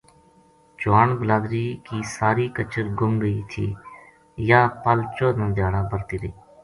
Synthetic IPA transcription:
t͡ʃʊaːɳbəlaːd̪ɾiːkiːsaːɾiːkət͡ʃəɾɡʊmɡəiːt̪ʰḭː | jaːpəlt͡ʃoːnãːd̪ɪjaːɽaːbəɾt̪iːɾəiː

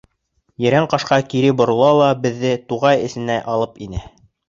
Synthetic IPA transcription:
jɘ̆ɾæɴqɑʃqɑkiɾɘbŏɾɤ̆lˠɑlˠɑbɘ̆ðːɘt̪uʁɑjɘ̆sɘ̆næʔɑlˠɤpinɘ

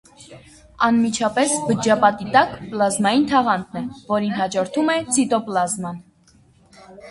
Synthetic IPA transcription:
ɑnmit͡ʃʰɑpɛsbəd͡ʒɑpɑt̪it̪ɑkplɑzmɑjint̪ʰɑʁɑnd̪nɛvɔɾinɦɑd͡ʒɔɾt̪ʰumɛt͡sʰit̪ɔplɑzmɑn

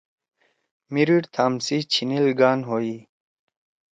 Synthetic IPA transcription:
miɾiɽt̪ʰaːmsit͡ɕʰinilɡaːnɦoi

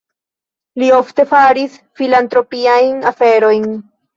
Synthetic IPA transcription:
lio̞fte̞faɾisfilantɾo̞piajnafe̞ɾo̞jn

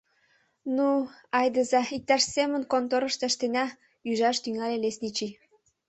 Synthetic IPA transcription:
nuɑjd̪ə̆zɑik̚t̪ɑʃsemə̆nkont̪oɾə̆ʃt̪ĕʃt̪enæ | yʒɑʃt̪yŋælʲelesnʲit͡ɕi

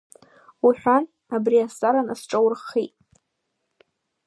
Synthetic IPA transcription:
wiħʷᶣan | abriast͡sʼaɾanasʈ͡ʂʼawrχitʼ

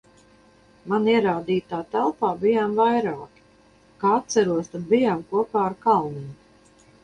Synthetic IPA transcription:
maniɛɾaːd̪iːt̪aːt̪ælˠpaːbijaːmvajɾaːki̥ | kaːat̪̚sæɾuɔst̪ad̪̚bijaːmkuɔpaːɾkalˠnim

